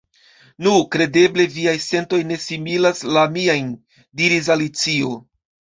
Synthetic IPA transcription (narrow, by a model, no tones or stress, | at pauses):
nukɾe̞de̞ble̞viajse̞nto̞jne̞similaslamiajn | diɾis̬alit͡sio̞